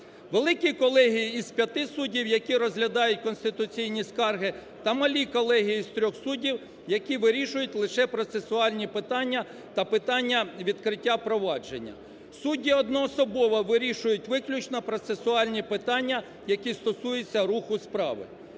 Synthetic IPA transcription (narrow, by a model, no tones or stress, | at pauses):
ʋelˠɪkʲikɔlˠɛɦijiːz̥pʲjɐt̪ɪsudʲiwjɐkʲiɾɔzɦlʲɐd̪ɑjʊt̚ʲkɔnst̪ɪt̪ʊt͡sʲijnʲiskɑrɦɪ | t̪ɐmɐlʲikɔlˠɛɦijiist̪ɾʲɔxsudʲiw | jɐkʲiʋɪɾʲiʃʊjʊtʲlˠɪʃɛpɾɔt̪sesʊɑlʲnʲipɪt̪ɑnʲːɐ | t̪ɐpɪt̪ɑnʲːɐʋʲid̪kɾɪtʲːapɾɔʋɑd͡ʒenʲːɐ̰ | sudʲːiɔd̪nɔɔsɔbɔʋɐʋɪɾʲiʃʊjʊtʲʋɪklʲut͡ʃnɐpɾɔt̪sesʊɑlʲnʲipɪt̪ɑnʲːɐ | jɐkʲist̪ɔsujet͡sʲːɐɾuxʊspɾɑ̰ʋɪ̰